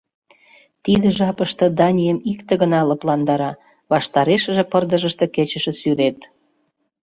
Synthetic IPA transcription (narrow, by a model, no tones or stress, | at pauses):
t̪id̪ə̆ʒɑpəʃt̪ɤ̆d̪ɑnʲijəmikt̪eɣənɑləplɑnd̪ɑɾɑ | βɑʃt̪ɑɾeʃə̆ʒĕpərd̪əʒəʃt̪ə̆ket͡ɕə̆ʃĕsyɾet̪